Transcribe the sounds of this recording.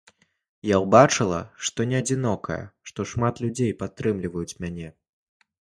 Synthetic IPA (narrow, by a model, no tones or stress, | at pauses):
jawbat͡ʂɨlˠɐ̰ʂt̪ɔnʲɛɐd͡zʲinɔkʰɐ̰jɐ̰ʂt̪ɔʂmat̪lʲud͡zʲejpat̪ːɾɨmlʲivɐjut͡sʲmʲanʲɛ